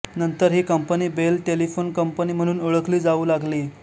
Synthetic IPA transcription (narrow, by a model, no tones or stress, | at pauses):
nənt̪əɾɦiːkəmpəniːbelʈelifonkəmpəniːm̤əɽ̃uːnoɭəkliːd͡zauːlaɡliː